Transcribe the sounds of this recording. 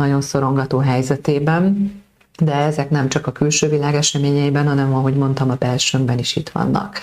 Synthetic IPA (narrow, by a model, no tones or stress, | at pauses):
ɒɟo̞nso̞ɾo̞ŋɡɒt̪oːɦɛjzɛt̪eːbɛn | d̪ɛɛzɛknɛmt͡ʃɒkɒkylʃøːvilaːɡɛʃɛmeːɲɛibɛnɦɒnɛmɒɦo̞ɟmo̞nt̪ɒmɒbɛlʃømbɛniʃit̪ʋɒ̰nːɒ̰k